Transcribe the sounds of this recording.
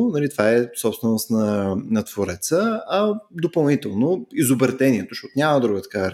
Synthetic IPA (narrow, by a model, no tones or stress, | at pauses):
nɐlit̪vaɛsɔpst̪vɛnost̪nɐnɐt̪voɾɛt̪səɐd̪opɐlˠnit̪ɛlˠnoizobɛɾt̪ɛniɛt̪oʃɔt̪nʲaməd̪ɾuɡət̪ə̥ka